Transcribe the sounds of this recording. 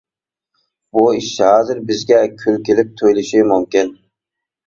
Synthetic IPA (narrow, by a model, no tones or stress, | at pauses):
buɪʃhɑːzɪɾbɪzɡʲɛkʲʰylkʲelɪp̚t̪ʰojlɪʃɪmʊmkʲɪn